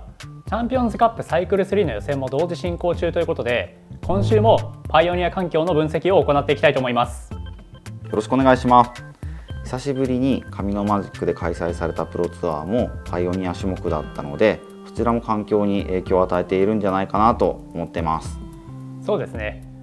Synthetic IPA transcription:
t͡ɕãmpʲiõ̞nzɨkapːɯ̟saikɯ̟ɾɯ̟sɨɾʲiːno̞jo̞sẽ̞mːo̞d̪o̞ːʑiɕĩŋko̞ːt͡ɕɨːt̪o̞jɯ̟ko̞t̪o̞d̪e̞ | kʰõ̞ɰ̃ɕɨːmo̞paio̞ɲ̟iakãŋkʲo̞ːno̞bɯ̟̃ɰ̃se̞kʲio̞ːko̞nat̪ːeikʲi̥t̪ait̪oːmo̞imasɨ̥ | jo̞ɾo̞ɕi̥kɯone̞ɡaiɕimasɨ̥ | çi̥saɕibɯ̟ɾʲiɲ̟ikʰamʲino̞maʑikːɯ̟d̪e̞kʰaisaisaɾe̞t̪apɯ̟ɾo̞t͡sɨa̰ːmo̞pʰaio̞ɲ̟iaɕɨmo̞kɯ̟d̪a̰t̪ːano̞̰d̪e̞ | ko̥t͡ɕiɾamo̞kãŋkʲo̞ːɲ̟iʔe̞ːkʲoːat̪ae̞t̪e̞iɾɯ̟̃n̟d͡ʑanaikanat̪o̞omo̞t̪ːe̞masɨ̥ | so̞ːd̪e̞sɨne̞

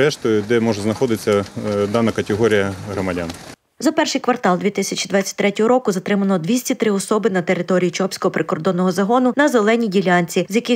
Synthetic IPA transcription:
ɛʃt̪ʊjʊd̪ɛmɔʒɛznɐxɔd̪ɪt͡sʲːɐd̪ɑnɐkɐt̪ʲeɦɔɾʲijɐɦɾɔmɐdʲa̰n | zɐpɛrʃɨjkʋɐrt̪ɑlˠd̪ʋʲit̪ɪsʲɐt͡ʃʲid̪ʋɑtt͡sʲːɐ̥t̚ʲt̪ɾɛtʲɔɦɔɾɔkʊzɐt̪ɾɪmɐnɔd̪ʋʲisʲtʲit̪ɾɪɔsɔbɪnɐt̪e̞ɾɪt̪ɔɾʲijit͡ʃɔpsʲkɔɦɔpɾɪkɔrd̪ɔnːɔɦɔzɐɦɔnʊnɐzelˠɛnʲidʲilʲanʲt͡sʲizʲjɐkɪ

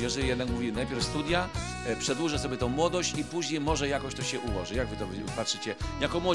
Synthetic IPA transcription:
jɛʐɛlʲijɛd̪nakmuvʲinajpʲjɛɾfst̪ud̪ʲja | pʂɛd̪wuʐɛsɔbʲjɛt̪ɔ̃w̃mwɔd̪ɔɕt͡ɕipuʑɲejmɔʐɛjakɔɕt̪ɔɕɛʔuwɔʐɛjaɡvɘt̪ɔv | patʂɘt͡ɕɛjakɔmwɔ

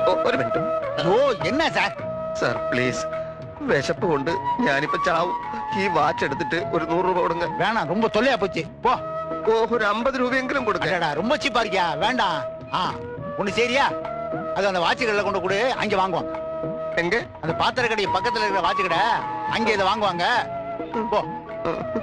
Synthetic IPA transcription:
oːoɾuʋeːɳɖumɐðoːenːes̬aːɾsɐ̰ɾpliːs | ʋeʂɐpːɯkoɳɖɨɲaːnipːoːt͡ɕaːʋɯiːʋaːt͡ʃːeɽɯt̪ːiʈːɨoɾɯnuːruːbɐːkːɽɐŋɡɐʋeːɳɖãːɾɔmbɐt̪ɔlːijaːp̬oːt͡ʃːɨ | poː | oːoɾuɐmbɐðɯɾuːbɐjeŋɡɐlɐmkoɽɯkɐɐ̃ɽɐɽaːɾɔmbɐt͡ɕːipːaːɾɪkʲːaːʋeːɳɖãː | aː | kɔnːɯsɐjɾɪjaː | ɐðɯɐnd̪ɐʋaːt͡ʃːɐɣɐɭɪlɐkːoɳɖɐkuːɽɯɐ̰ŋɡeʋaːŋɡɯʋaːŋɡɐ | eŋɡe | ɐnd̪ɐpaːt̪ːɐɾɐkːɐɽɐjɯpɐkːɐt̪ːɪlɐɪɾkːɾɐʋaːt͡ʃːɐkɐɽeɐŋɡeɪðɐʋaːŋɡɯʋaːŋɡɐ | po̰ː

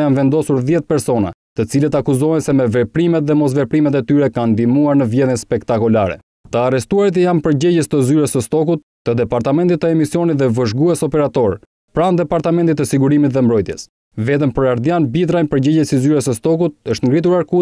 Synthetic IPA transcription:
janvɛnd̪ɔsuɾðjɛt̪̚pɛɾsɔna̰t̪ət͡silət̪akuzɔɛnsɛmɛvɛpɾimɛt̪̚ðɛmɔs̬vɛpɾimɛt̪̬ɛt̪yɾɛkand̪imuaɾnəvjɛðjənspɛkt̪akɔlaɾɛ̰ | t̪əarɛst̪uaɾit̪̬əjampəɾɟɛɟɛst̪əzyɾəsəst̪ɔk̬ut̪ːəd̪ɛpaɾt̪amɛnt̪it̪ːəɛmisjɔnit̪ðɛvəʒɡuɛsɔpɛɾat̪ɔɾ | pɾand̪ɛpaɾt̪amɛnt̪̬it̪ːəsiɡuɾimit̪ðɛmbɾɔjt̪jɛ̰s | vɛt̪̬əmpəɾaɾd̪janbit̪ɾajnpəɾɟɛɟɛsizyɾəsəst̪ɔk̬ut̪̚əʃt̪ŋɡɾit̪uɾaɾku

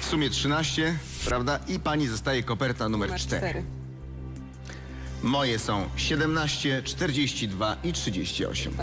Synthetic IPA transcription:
fsumʲjɛtʂɘnaɕt͡ɕɛ | pɾavd̪aʔipaɲizɔst̪ajɛkɔpɛɾt̪anumɛɾt͡ʂt̪ɛ̰ɾ | mɔjɛsɔ̃w̃ɕɛd̪ɛmnaɕt͡ɕɛt͡ʂt̪ɛɾd͡ʑeɕt͡ɕid̪vaʔitʂɨd͡ʑeɕt͡ɕiɔ̰ɕɛ̰m

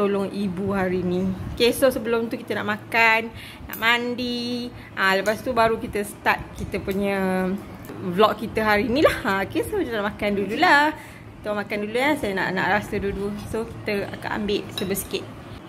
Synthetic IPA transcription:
t̪olʊŋibuɦaɾinikesosəbəlʊmt̪ukit̪əna̰ʔmakanː | a̰ʔmandi | ʔaləpast̪ubaɾukit̪əsə̥t̪at̪̚kit̪əpuɲə | vlɔk̚kit̪əɦaɾinĩlahakesoit̪ənaʔmakandululah | kit̪əmakanduluasajana̰ʔna̰ʔɾasədudusoki̥t̪əa̰ka̰ʔa̰mbɪʔsəbəsi̥kɪt̪̚

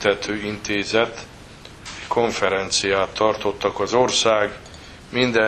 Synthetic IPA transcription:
t̪ɛt̪ʰøːint̪eːzɛt̪ | ɛckʰo̞ɱfɛɾɛnt̪sijaːt̪ʰːɒrt̪o̞t̪ːɒkɒzo̞rsaːɡ | mind̪ɛ

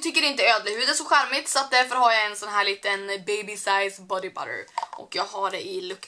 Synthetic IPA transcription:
t̪ʰʏkːəɾɪnt̪əøːd̪ləhʉd̪əsɔɧæɾmɪt̪sɔat̪̚d̪æɾfœɾhaɾjaɛnsɔnɦæːɭiːt̪ənbɛɪbɪsaɪsbɔd̪ɪba̰ɾə̰ɾʔɔ̰kjɑːɡhaɖɛʔɪlɵkː

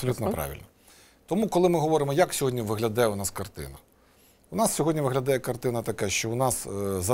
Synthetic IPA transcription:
psɔlʲut̪nɔpɾɑ̰ʋʲḭlʲnɔ | t̪ɔmukɔlˠɪmɪɦɔʋɔɾɪmɔjaksʲɔɦɔdʲnʲiʋɪɦlʲɐd̪ɛjɛʊnɑskɐrt̪ɪ̰nɐ | ʊnɑssʲɔɦɔdʲnʲiʋɪɦlʲɐd̪ɛjɛkɐrt̪ɪnɐt̪ɐkɛʃt͡ʃɔʊnɑszɐ

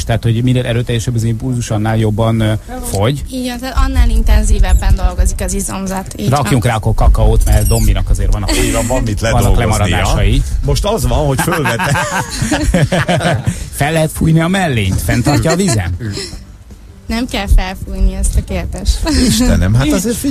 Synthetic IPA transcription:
ʃt̪ɛɦat̪ho̞ɟmineːlʔɛɾøːt̪ɛjɛʃɛbːɒzimpulzuʃɒnːaːljo̞bːɒn | fo̞ɟiɟɛnt̪at̪ɒnːaːlint̪ɛnziːvɛbːɛnd̪o̞lɡo̞zikɒzizomzɒt̪rɒkjuŋkraːɒkːorkɒkɒoːt̪mɛrd̪o̞mːinɒkɒzeːɾvɒnɒiɾɒvɒmːit̪lɛɒnoːɒklɛmɒɾɒd̪aːʃɒjimo̞ʃt̪ɒzvɒnho̞cfølvɛt̪ɛ | fɛlːɛɦɛt̪fuːjniɒmɛlːeːɲt̪fɛnt̪ɒrcɒːvizɛ̰m | nɛmkɛlfɛlfujniɛst̪ɒkeːrd̪eʃt̪iʃt̪ɛnɛ̰mɦat̪ɒzeːrfi

